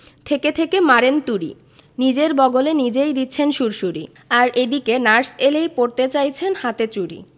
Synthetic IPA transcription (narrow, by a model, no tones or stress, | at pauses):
t̪ʰeket̪ʰekemaɾent̪uɾḭ | nid͡ʑeɾbɔɡolenid͡ʑejd̪it̪ːɕʰenʃuɾʃuɾḭ | aɾed̪ikenaɾselejpoɾt̪et͡ɕajt͡ɕʰenhat̪et͡ɕuɽḭ